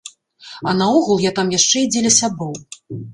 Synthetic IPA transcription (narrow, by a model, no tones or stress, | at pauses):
ɐnɐɔɣulˠjat̪amjaʂt͡ʂɛid͡zʲɛlʲɐsʲabɔw